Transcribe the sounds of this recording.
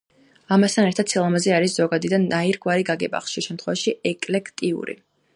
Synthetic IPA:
amast̪ʰanɛɾt̪ʰad̪silˠamazɛaɾisz̥ɔɡad̪id̪anːaiɾɡwaɾiɡaɡɛbʼa̰χʃiʃɛmt̪ʰχwɛvaʃiɛkʼlɛkʰt̪ʼiṵɾḭ

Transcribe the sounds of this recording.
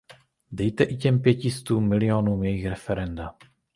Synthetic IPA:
dɛjt̪ɛʔicɛmpjɛcɪst̪uːmːɪlɪonuːmjɛjixɾɛfɛɾɛnda

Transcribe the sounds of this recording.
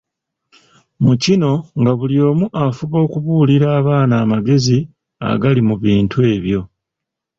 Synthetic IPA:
mucino̞ŋɡaβuljo̞ːmuʔafuβo̞ːkuβuːliɾaːβaːnaːmaɡe̞zi | a̰ɡalimuβiːntʰue̞ːβjo̞

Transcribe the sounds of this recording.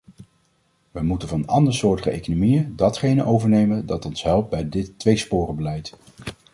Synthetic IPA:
ʋəmutənvɑnɑndəɹsʊːɹtəχəḛjkonomijədɑtχejnəʔowvəɹnejməndɑtɔnsɦɛlˠp̚d̚bɛjdɪtːʋejspʊːrəbəlɛjt

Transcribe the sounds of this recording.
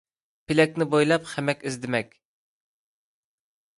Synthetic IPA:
pʰɪlɛkʲnɪbojlˠɑpχɛmɛkʲizd̪ɪmɛkʲ

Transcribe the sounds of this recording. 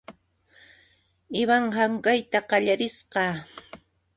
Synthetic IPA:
ɪβaŋhaŋɢajt̪aqɑʎaɾɪsqɑː

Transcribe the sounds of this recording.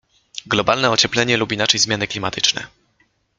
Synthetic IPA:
ɡlɔbalnɛɔt͡ɕɛplɛɲɛlupinat͡ʂɛjzmʲjanɘklʲimat̪ʰɘt͡ʂnɛ̰

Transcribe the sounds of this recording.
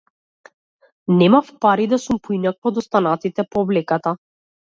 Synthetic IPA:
nɛmafpaɾid̪asumpɔinakvɔd̪ɔst̪anat̪it̪ɛpɔːblɛkat̪a

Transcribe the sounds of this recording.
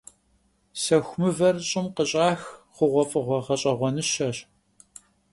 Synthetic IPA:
sɐxʷmɨvɐrɕʼɪmqəɕʼaːxχʷʊʁʷɔfʼɨʁʷɔʁɐɕʼɐʁʷɔnɨʃɐɕ

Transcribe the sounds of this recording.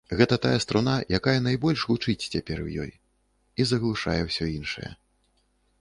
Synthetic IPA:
ɣɛt̪ɐt̪ajɐst̪ɾunajakajɐnajbɔlʲʂvut͡ʂɨt͡sʲt͡sʲapʲɛrwjɔ̰j | izɐɣlˠuʂa̰jɛwsʲɔinʂɐ̰jɛ̰

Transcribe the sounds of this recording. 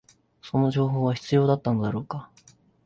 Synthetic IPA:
so̞no̞ʑo̞ːɦo̞ːβaçi̥t͡sɨjo̞ːd̪at̪ːano̞d̪aɾo̞ːka

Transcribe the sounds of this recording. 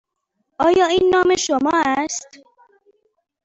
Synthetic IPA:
ʔɒːjɒːiːnːɒːmeʃomɒːæst̪

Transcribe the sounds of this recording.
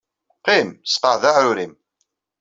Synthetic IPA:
qimsqəʕðaʕʊɾim

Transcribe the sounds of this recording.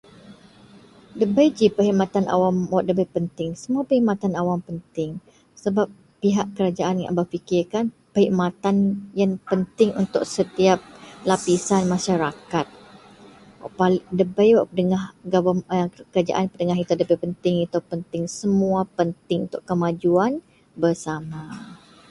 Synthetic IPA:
dəbəjd͡ʒipəɦiʔmat̪anʔa̰wamwaʔdəbəjpənt̪ɪŋsəmũapəɦimat̪anawampənt̪ɪŋ | səbap̚ːiɦaʔkəɾad͡ʒaʔanŋa̰ʔbəfikɪrkanpəhiʔmat̪anjaŋpənt̪ɪŋunt̪ʊksət̪iap̚lapisanmãʃaɾakat̪̚ | wa̰ʔpaldəbajwaʔədəŋahɡabaməkəɾad͡ʒa̰ʔanpədəŋaɦit̪adəbəpənt̪ɪŋit̪apənt̪ɪŋsəmuapənt̪ɪŋṵnt̪ʊʔkəmad͡ʒuan | bərsama

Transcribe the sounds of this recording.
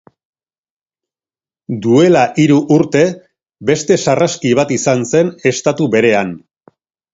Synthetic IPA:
d̪ue̞laʔiɾuʔuɾt̪e̞ | be̞st̪e̞saraskiβ̞at̪isanse̞ne̞st̪at̪uβe̞ɾe̞an

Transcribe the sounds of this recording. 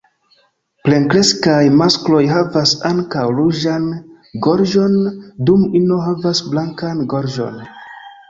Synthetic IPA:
ple̞ŋkɾe̞skajmasklo̞jɦavasaŋkawɾud͡ʒan | ɡo̞ɾd͡ʒo̞ndumino̞ɦavasblaŋkanɡo̞ɾʒo̞̰n

